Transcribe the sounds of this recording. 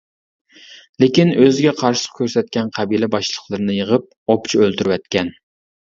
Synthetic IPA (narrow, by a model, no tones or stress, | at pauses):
lekʲinøzɪɡʲɛqʰɑɾʃɪ̥qkʲʰøɾsɛt̪̚kʲɛnqʰæbilɛbɑʃlˠəχlˠɨɾɨnɨjəʁəp̚ | opt͡ʃʰiølt̪yɾywɛt̪̚kʲɛn